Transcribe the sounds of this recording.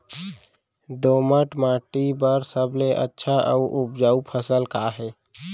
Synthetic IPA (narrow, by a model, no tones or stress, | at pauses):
d̪oːməʈmãːʈibəɾsəbleʔə̰tːʃʰaʔəuʔʊpd͡ʒaːupʰəsəlkaɦɛː